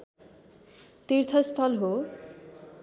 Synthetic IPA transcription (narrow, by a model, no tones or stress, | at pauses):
t̪irt̪ʰʌst̪ʰʌlɦo